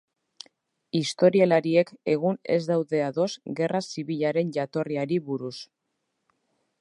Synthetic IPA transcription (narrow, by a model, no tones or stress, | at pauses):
ist̪o̞ɾielaɾie̞ke̞ɣ̞une̞̰zd̪awðe̞aðo̞zɡe̞rʔasiβiʎaɾe̞nʎat̪o̞riaɾiβuɾus